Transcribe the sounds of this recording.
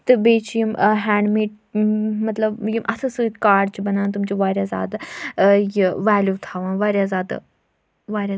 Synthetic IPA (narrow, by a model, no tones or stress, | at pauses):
t̪ɨbeːt͡ʃʰjimɦɛ̃ːɳɖmeːʈ̚ | mɐt̪lɐbjimʔɐsʰɨsɨit̪kaːɖt͡ʃibɐnaːnt̪̬umt͡ʃiʋaːɾjaza̰ːd̪ | jiʋaːljuːt̪ʰaːʋãːnʋaːɾʲjazaːd̪ | ʋaːɾʲa